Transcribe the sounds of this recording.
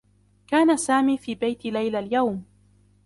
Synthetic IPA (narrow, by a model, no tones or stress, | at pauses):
kaːnasaːmiːfiːbajt̪lajlaljawm